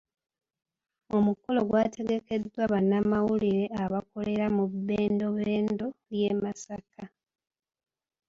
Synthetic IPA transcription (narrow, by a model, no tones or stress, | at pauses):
o̞muko̞lo̞ɡwaːtʰe̞ɡe̞ke̞dːwaβanamawuliɾe̞aβako̞le̞ɾamubeːndo̞βe̞ːndo̞lje̞ːmasaka